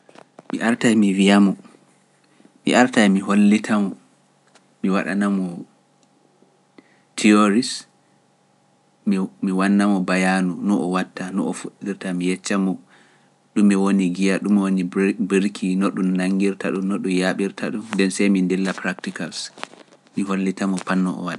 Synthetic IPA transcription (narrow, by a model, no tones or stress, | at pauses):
mḭʔaɾtajmivijamɔ | mḭʔaɾtajmiholːitʰamɔ | miwaɗa̰namɔ | tʰioɾis | mmiwanːamɔbajanunɔʔɔwatːanɔ̰ɔfuɗːiɾtamijɛt͡ʃːamɔ | ɗumːiwoniɡijaɗumwonibɾkʰinɔɗumnaŋɡiɾtaɗumnoɗumjaɓiɾtʰa̰ɗumdɛnsɛjmindɛlːapɾaktikals | miɦolːitamɔpanːɔɔ̰waɗa